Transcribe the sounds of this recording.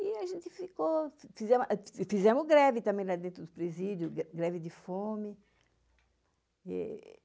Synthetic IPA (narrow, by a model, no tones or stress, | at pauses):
iaʒẽnt̪ɪfikofizɛmʔfizɛmʊzɡɾɛvit̪ɐ̃mẽj̃nɐd̪ẽnt̪ɾʊd̪ʊpɾezid̪jʊɡɾɛvid̪ɪfomi | ɛ̰